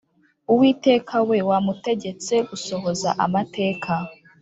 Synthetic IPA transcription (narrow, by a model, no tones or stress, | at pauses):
uwiːte̞ːkʰawe̞wamute̞ɟe̞t͡se̞ɡuso̞ɦo̞za̰ʔa̰mate̞ːkʰa